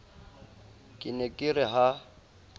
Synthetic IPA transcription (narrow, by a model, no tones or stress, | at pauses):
kʼɪnɛkʼɪrɪɦa